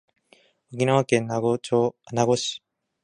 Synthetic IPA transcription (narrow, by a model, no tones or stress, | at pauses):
okʲinaβakẽnɡonaɡoɕi̥